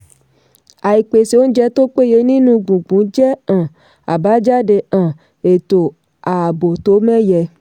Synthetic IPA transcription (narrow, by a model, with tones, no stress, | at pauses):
a˨i˨k͡pe˨se˨wo˦d͡ʒɛ˦t̪o˦k͡pe˦je˨˦nĩ˦nũ˧ɡũ˨ɡ͡bũ˨˦d͡ʒɛ˦ã˨ | a̰˨ba˨˦d͡ʒa˦ɖe˨ã˨ | e˨t̪o˨ | a˨bo˨t̪o˨˦mɛ̃˦jɛ˨